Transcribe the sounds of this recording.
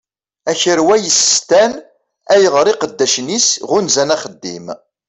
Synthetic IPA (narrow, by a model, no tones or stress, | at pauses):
æçəɾwæjəsst̪æn | æjəʁɾiqəd̪ːæʃnisʁʊnzænæχəd̪ːḭm